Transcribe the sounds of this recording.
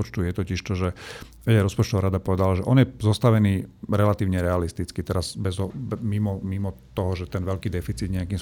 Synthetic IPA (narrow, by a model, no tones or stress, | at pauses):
ɔt͡ʃt̪ujɛt̪ɔciʃt̪ɔʒɛ | ʋɛɟaɾɔspɔt͡ʃt̪ɔʋaɾad̪apɔʋɛd̪alaʒɛʔɔnjɛzɔst̪aʋɛniːɾɛlat̪iːʋɲɛɾɛalist̪it͡skit̪ɛɾaz̥bɛzɦɔbmimɔmimɔt̪ɔɦɔʒɛt̪ɛnʋɛʎkiːd̪ɛfit͡siːd̪ɲɛakims